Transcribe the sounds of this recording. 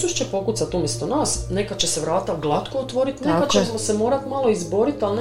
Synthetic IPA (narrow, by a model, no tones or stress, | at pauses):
suʃt͡ɕepo̞kut̪sat̪uːmjest̪onaːsne̞kat͡ɕe̞seʋɾaːt̪aɡlˠat̪koot̪ʋo̞ɾit̪nekaemosemo̞ːɾat̪malˠo̞izbo̞ɾit̪aln